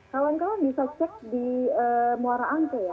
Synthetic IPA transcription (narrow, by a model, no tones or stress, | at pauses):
kawankawabisat͡ʃɛk̚diəmoaɾaʔaŋk̪uja